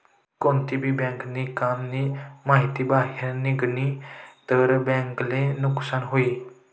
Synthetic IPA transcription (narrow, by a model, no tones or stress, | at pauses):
kõːnt̪ibʱibɛ̃ːŋknikamnimaːɦɪt̪ibaːɦeɾnɪɡnit̪əɾbɛ̃ːŋklenʊksaːnɦoiː